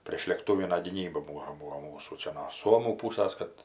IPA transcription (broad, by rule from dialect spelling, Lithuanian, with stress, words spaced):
pʲrʲeːʃʲlʲeːkˈtuːʋʲɪnɐ ɡʲiːˈnʲiːbɐ ˈbuːʋoː ˈbuːoː ˈmuːsuː ˈt͡ʃʲɛ noː ˈsuɔmuː ˈpuːsɐs kɐt